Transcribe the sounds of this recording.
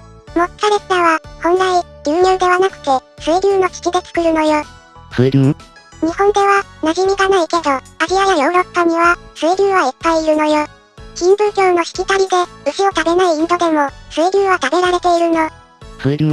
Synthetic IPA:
mot̪saɾest̪aβahõ̞nɾaid̪ɨːɲɯːd̪e̞βanakɯ̟̥t̪e̞sɨːɾʲɨːno̞kʲi̥kʲid̪et͡sɨ̥kɯ̟ɾɯ̟no̞joː | ɸɯɾʲɯ̟ɲ̟ihõ̞nd̪e̞βanaʑimʲiɡanaike̞d̪o̞aɾiajajo̞ːɾo̞pːaɲ̟iβasɨːɾʲɨːβaipːaiːɾɯ̟no̞joː | kʲĩmbɯ̟ːkʲo̞ːno̞çi̥kʲit̪aɾʲid̪e̞ɯ̟ɕio̞t̪abe̞naiind̪o̞d̪e̞mo̞sɨːɾʲɯːβat̪abe̞ɾaɾe̞t̪e̞iɾɯ̟no̞ | ɸɯɾʲɯ

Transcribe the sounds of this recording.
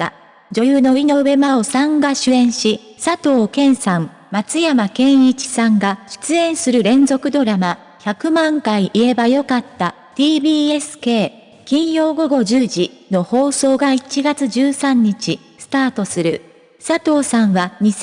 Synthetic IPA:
a | d͡ʑo̞jɯːno̞ino̞βe̞mao̞sãŋɡaɕɨẽ̞ɰ̃ɕi | sat̪o̞ːkẽ̞ɰ̃sãm | mat͡sɨjamakẽ̞ɰ̃it͡ɕi̥sãŋɡaɕɨ̥t͡sɨẽ̞ɰ̃sɨɾɯ̟ɾẽ̞nzo̞kɯ̟d̪o̞ɾama | çakɯ̟mãŋkaiʔie̞bajo̞kat̪ːa | t̪iːbʲiːesɨ̥ke̞ː | kʲĩɰ̃jo̞ːɡo̞ɡo̞ʑɨːʑino̞ho̞ːso̞ːɡait͡ɕiɡat͡sɨʑɨːsãɲ̟ːit͡ɕi | sɨ̥t̪aːt̪o̞sɨɾɯ̟ | sat̪o̞ːsãɰ̃βaɲ̟i

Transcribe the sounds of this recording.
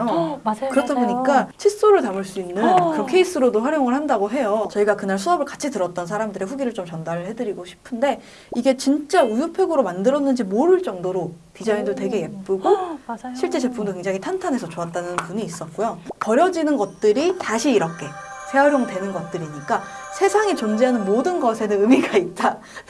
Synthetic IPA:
jokɯɾʌtʰaboɲik͈at͡ɕʰis͈oɾɯɭtamɯɭs͈uinːɯnkɯkʰe̞is͈ʰɯɾodoɸwaɾjoŋɯɭhandaɡoɦe̞jot͡ɕʌiɡakɯnaɭsʰuʌbɯɭkat͡ɕʰitɯɾʌt̚t͈ʌnsʰaɾamdɯɾeɸuɡiɾɯɭt͡ɕomt͡ɕʌndaɾɭhe̞dɯɾiɡoɕʰi̥pʰɯnde̞ | iɡe̞t͡ɕint͡ɕ͈aujupʰeɡɯɾomandɯɾʌnːɯnd͡ʑimoɾɯɭt͡ɕ͈ʌŋdoɾo | tid͡ʑaindotwe̞ɡe̞ke̞p͈ɯɡoɕʰiɭt͡ɕ͈e̞t͡ɕe̞pʰumdokweŋd͡ʑaŋitʰantʰanɦe̞sʰʌt͡ɕoat̚t͈anɯnpuɲiːs͈ʌt̚k͈ojopʌɾjʌd͡ʑinɯnɡʌt̚t͈ɯɾitaɕʰiːɾʌkʰe̞sʰe̞aɾjoŋtwe̞nɯnɡʌt̚t͈ɯɾiɲik͈asʰe̞sʰaŋit͡ɕond͡ʑeɦanɯnmodɯnɡʌsʰe̞nɯnɯmiɡait̚t͈a

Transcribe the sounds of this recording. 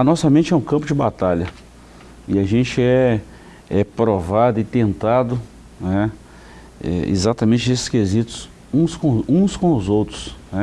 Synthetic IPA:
ɐnɔsɐmẽnt͡ʃɛũkɐ̃mpʊd͡ʒɪbat̪aʎɐ | ɪaʒẽnt͡ʃɪɛ | ɛpɾovad̪ʊɪt̪ẽnt̪ad̪ʊ | nɛ | ɛ̰ḛzat̪ɐmẽnt͡ʃɪesɪ̥skezit̪ʊ̥s | ũskõũskõʊzowt̪ɾʊsnɛ

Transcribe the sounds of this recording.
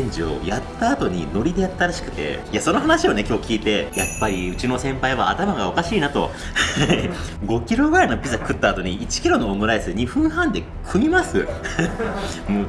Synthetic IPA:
ẽɲ̟d͡ʑio̞̰jat̪ːaːt̪o̞ɲ̟ḭno̞ɾʲid̪e̞jat̪ːaɾaɕi̥kɯ̟t̪e̞̰ | iaso̞no̞ɦanaɕio̞ne̞kʲo̞ːkʲiːt̪e̞japːaɾʲiɯ̟t͡ɕino̞sẽ̞mpaiβaːt̪amaɡao̞kaɕiːnat̪o̞̰ | ha | ɡo̞kʲiɾo̞ɡɯ̟ɾainopʲizakɯ̟t̪ːaːt̪o̞ɲ̟iit͡ɕi̥kʲiɾo̞noːmɯ̟ɾaisɨɲ̟iɸɯ̟̃ɰ̃hãnd̪e̞ | kʰɯ̟mʲimasɨ̰ | moː

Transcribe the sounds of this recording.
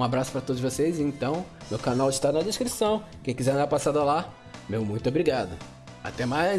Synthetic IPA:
ũabɾasʊ̥pɾɐt̪od̪ʊʒvosejzɪẽnt̪ɐ̃w̃nʊkanawɪʃt̪anɐd̪eʃkɾisɐ̃w̃kẽj̃kizɛɐ̃d̪aɾpasad̪ɐla | mewmũj̃t̪ʊobɾiɡad̪ʊ | a̰t̪ɛma

